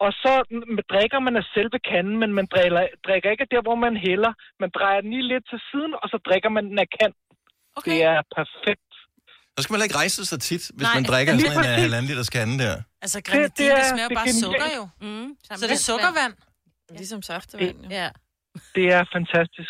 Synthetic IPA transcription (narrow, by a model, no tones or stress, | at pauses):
ɒ̽sɒ̽md̥ʁeɡ̥ɐmænæsel̰ʋəkʰænn̩menmæn̥ɐd̥ʁeɡ̥ɐe̝ɡ̥əd̥æɐ̰ʋɒmænɦelɐmænd̥ʁɑ̈ɪ̰ɐd̥en̩liːle̝d̥̚t͡sʰe̝siːð̞ˠn̩ɒ̽sɒ̽d̥ʁeɡ̥ɐmænnækʰæn̰ | d̥e̝æɐpʰæɐfeɡ̥̚d̥ | sɒ̽sɡ̥æmænhelɐe̝ɡ̥ʁɑ̈ɪsəsɑ̈ɪt͡sʰid̥ʋe̝smænd̥ʁeɡ̥ɐliːpʰʁɛsiæːlænlid̥ɐskʰænd̥æɐ̰sd̥ed̥e̝æɐ̥eɡ̥enjɛ̰ld | deɔɡ̥ɐʋæn̰ | e | d̥e̝æɐfænt͡sʰæsd̥isɡ̥